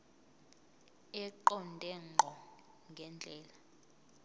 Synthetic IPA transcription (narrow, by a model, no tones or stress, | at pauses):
ɛǃɔndʼʱɛŋ͡ǃʱɔ | ŋɡʱɛnd͡ɮʱʼɛːla